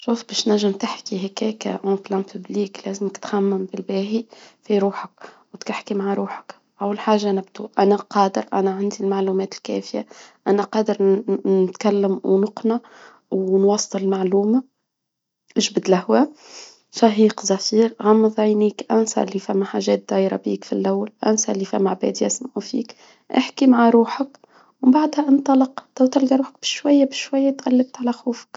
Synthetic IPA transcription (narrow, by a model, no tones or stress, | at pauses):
ʃuːfbɛːʃnæʒːɪmt̪ɪħkiɦækɛːkæ̰ʔɑ̃ːplæntʰʊbliːklæːzɪmɪkt̪xamːɪmbɪlbæːɦifiɾuːħəkwt̪kɪħkimaʕɾˤuːħə̥k | ʕawːalħaːʒːanɪb̚t̪uʔænæqɑːd̪əɾʔæ̰næʕand̪ilmaʕluːmɛːt̪ɪlkɛ̰ːfɪjaʔænæqɑːd̪əɾɪt̪kælːɪmwnʊqna | wnwɑsˤːɨlɪlmaʕluːma | ʔɪʒbd̪lahwæ | sɑɦiːqzɑfiːɾʕamːðˤɑjniːkʔænsa̰ʔlːifæmːaħaːʒɛːt̪̚d̪ɑːjɾˤɑ̰biːkfilʔawːalʔæ̰nsaʔlːifæmːaʕbɛ̰ːd̪iʔæsmʕufḭːk | ʔɪ̰ħkimaʕaɾuːħək | wbaʕd̪hæʔɑnt̪ˤɑlɑqt̪awt̪ɪlɡaɾuːħək̚b̥ɪʃwajːabɪʃwajːat̪ɣalːɪb̚t̪ʕalæxuːfə̥k